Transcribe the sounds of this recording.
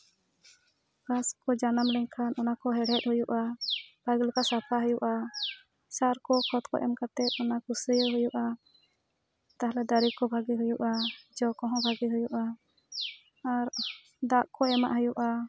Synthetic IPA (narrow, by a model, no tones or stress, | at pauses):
kaskɔd͡ʒanamlɛɲkʰanʔɔnakɔɦɛɽɛt̪̚hujuʔab̥ʱaɡilɔkasapʰaɦujuʔa | saɾkɔkʰɔt̪kɔ̰ʔɛ̰mkat̪ɛt̪̚ˀɔnakusəjɔɦujuʔa | t̪aɦalɛd̪aɾikɔbʱaɡiɦujuʔad͡ʒɔkɔɦɔ̃bʱaɡiɦujuʔa | aɾ | d̪aʔkɔɛmaʔɦujuʔa